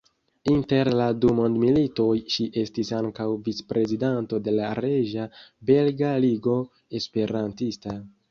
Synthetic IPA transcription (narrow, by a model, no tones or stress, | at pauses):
inte̞ɾladumo̞ndmilito̞jʃiʔe̞stisaŋkawvit͡spɾe̞zidanto̞de̞laɾeʒabe̞lɡaliɡo̞ | e̞spe̞ɾantista